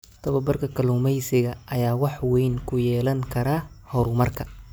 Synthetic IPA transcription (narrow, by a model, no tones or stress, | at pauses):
t̪ʰɐβɐbɐrkʰɐkʰɐluːmɛjsɪɣɐʔɐjaːwɑħwɛjnkʰʊjɛːlɐŋkʰɐɾaː | hɔɾʊmɐrkʰɐ